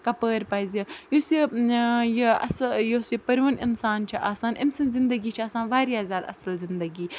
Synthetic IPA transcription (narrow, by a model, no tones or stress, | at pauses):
kɐpəːɾpaːzʲɐjosi | jɐ̰sjosipɐɾʋɐnɪ̰nsaːnt͡ʃʰiʔaːsaːnʔɐ̰msɐnzɪnd̪ɐɡiːt͡ʃʰiaːsaːnʋaːɾjaːzʲjaːd̪ɐ̰sɐlzɪnd̪ɐɡiː